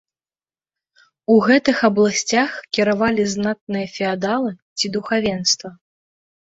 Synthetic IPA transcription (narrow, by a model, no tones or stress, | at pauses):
uɣɛt̪ɨxɐblˠasʲt͡sʲaxkʲiɾavalʲiznat̪nɨjɐfʲɛad̪alˠɨt͡sʲid̪uxavʲɛnst̪vɐ